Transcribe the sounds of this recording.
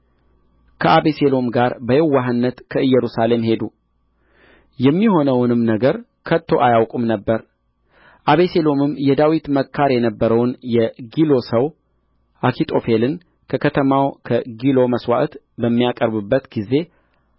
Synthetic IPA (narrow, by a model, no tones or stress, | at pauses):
kʰəʔaβeselo̞mɡaɾbəhewːaɦɨnːət̪kʰəɨjːɛɾusale̞mhe̞d̪u | jɛmːiho̞nəwnɨmnəɡəɾ | kʰət̪ʰːo̞ʔajawkʼumnəbːəɾ | ʔaβese̞lo̞mɨmːjɛd̪awit̪məkʰːaɾjɛnəbːəɾəwnjɛɡilo̞səw | ʔakʰit̪ʼo̞felɨn | kʰəkʰət̪ʰəmawkʰəɡilo̞məswa̰ʔt̪ | bəmːijakʼəɾbɨbːət̪ɡize̞